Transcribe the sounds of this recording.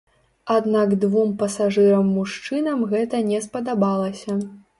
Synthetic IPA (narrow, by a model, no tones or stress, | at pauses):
ad̪naɡd̪vumpɐsaʐɨɾɐmːuʂt͡ʂɨnɐmɣɛt̪ɐnʲɛspɐd̪abalˠɐsʲɐ